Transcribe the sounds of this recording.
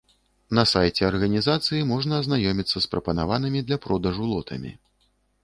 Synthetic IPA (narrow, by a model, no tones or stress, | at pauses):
nɐsajt͡sʲɛɐrɣɐnʲizat̪sɨjimɔʐnɐːznajɔmʲit̪sːɐspɾɐpɐnavanɨmʲid̪lʲɐpɾɔd̪ɐʐulˠɔt̪ʰɐ̰mʲḭ